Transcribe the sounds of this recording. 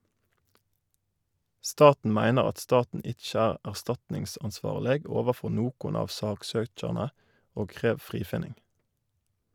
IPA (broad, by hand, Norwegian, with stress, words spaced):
ˈstɑːtn̩ ˈmæɪnəʁ ˈɑt ˈstɑːtn̩ ˈɪc͡çə ˈæːʁ æʁˈstɑtnɪŋsɑnˌsʋɑːʁləɡ ˈoːʋəˌfɔ ˈnoːkʊn ˈɑːʋ ˈsɑːkˌsøːc͡çɑʁnə ˈoːɡ ˈkʁeːʋ ˈfʁiːfɪnɪŋɡ